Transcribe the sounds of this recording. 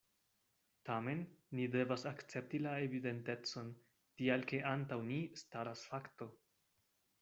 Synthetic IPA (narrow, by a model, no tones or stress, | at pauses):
tame̞nːide̞vasakt͡se̞p̚tilae̞vide̞nte̞t͡so̞n | tialke̞ʔantawnistaɾasfakto̞